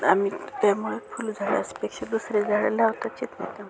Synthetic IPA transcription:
a̰mit̪jamuɭefʰuːld͡zʱaɭḛəsi̥pekɕad̪usɾed͡zʱaɭḛlaʋt̪at͡ɕit̪najt̪am

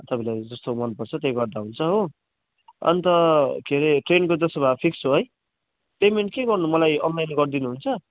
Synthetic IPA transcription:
t̪ʌpãlajd͡zʌst̪omʌnpʌrt͡sʰʌt̪jeɡʌrd̪aɦunt͡sʰʌɦo | ʌ̰nit̪ʌkʰeɾeʈrenkod͡zʌsobʱãpʰiksɦoɦʌj | pejmeɳʈ̚keɡʌrnumʌlajʌnlajnɡʌrd̪inuɦunt͡sʰʌ

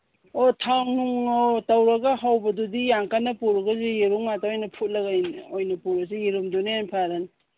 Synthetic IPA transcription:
otʰaŋnuŋotawɾɐɡaɦawbɐdudijaŋkanɐpuɾɐɡazijeɾuŋmataojnɐpʰut̚lɐɡanojnɐpuɾɐsejeɾumdunejanpʰaɾan

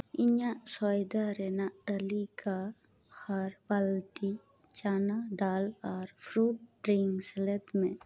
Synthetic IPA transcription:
iɲaʔsɔjd̪aɾɛnaʔt̪əlika | haɾbəlt̪i | t͡ʃanaɖalɔɾpʰɾuʈ̚ɖɾiŋɡsɛlɛt̪mẽ

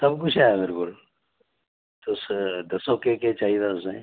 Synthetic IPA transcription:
sɐbk̬ʊt͡ʃʰaːjabɪɾkʊl | t̪osd̪ɐsokeket͡ʃaːɦiet̪ʰaʊsḛ̃

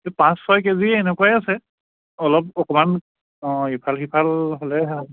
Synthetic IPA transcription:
tepãsːɔjkeziɛnɛkuwajasɛ | ɔlɔp̚ɔkɔmañ | hipʰalxipʰalɦolɛ

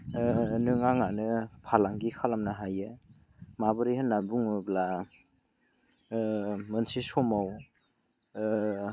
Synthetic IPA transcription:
nɯŋaŋanɯpʰalaŋɡikʰalamnaɦajɯ | mabɯɾihɯnːabuŋbla | mɯnsisomaw

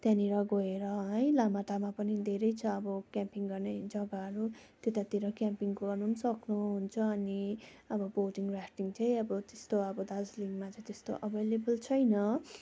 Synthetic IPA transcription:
t̪janiɾʌɡʌeɾʌɦʌjlamaʈamapʌnid̪ʱeɾʌjt͡sʰʌːbʌkjampiŋɡʌrned͡zʌɡaɦʌɾut̪et̪at̪iɾʌkjampiŋɡʌrnunsʌknuɦunt͡sʰʌːniʌbʌboʈiŋɡrakʰʈiŋt͡sʌj̃ʌbʌt̪est̪oʌbʌd̪ad͡zliŋmat͡sʌ̃j̃t̪est̪o̰ʔʌbʱelebʌlt͡sʰʌjnʌ

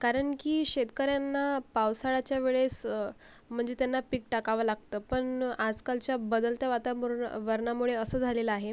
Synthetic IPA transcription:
kaɾəɳkiːɕet̪kəɾjanːapawsaɭat͡ɕjaʋeɭes | m̤əɳd͡zet̪janːapik̚ʈakaʋəlaɡ̚t̪əːpəɳad͡zkalt͡ɕjabəd̪əlt̪jaʋat̪amuɾnʋəɾɳamuɭeəsəːd͡zʱaleləaɦe

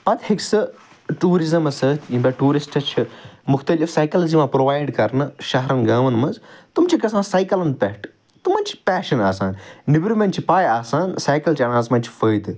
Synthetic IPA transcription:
pɐt̪hiksɨ | ʈuːɾizɐmɐsɐt̪ʰĩbɐʈuːɾisʈt͡ʃʰimʊxt̪ɐlifsaːkɐlzimãpɾoːʋaːjɖkɐɾnɨʃɐɦɾɐnɡaːʋɐnmɐzt̪umt͡ʃʰikɐsãːnsaːjkɐlɐnpɐʈ | t̪umɐnt͡ʃʰi̥pɛːʃɐnaːsa̰ːnnibɾumẽnʈt͡ʃʰipaːjaːsaːnsaːjkɐlt͡ʃʰiɐnaːzmɐ̃nt͡ʃʰi̥fəːjd̪

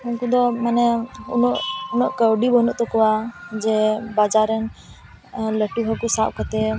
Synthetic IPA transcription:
unkud̪ɔmanɛunɔʔunɔʔkəwɖibɔnuʔt̪ɔkɔwad͡ʒɛbad͡ʒaɾɛn | ləʈiɦɔkusaʔkɔt̪ɛ

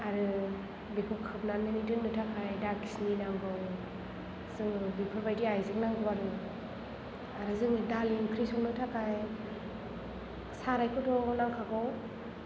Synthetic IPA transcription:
aɾɯ | bikʰukʰɯpnanmɯnidɯnːɯtʰakʰajdakʰi̥sninaŋɡɯw | zɯŋɯbipʰɔɾbajdiajzɯk̚naŋɡɔwaɾɯ | aɾɯzɯŋɯdaliŋkʰɾisɔŋnɯtʰakʰaj | saɾajkʰɯdɔɡɔnaŋkʰakɔw

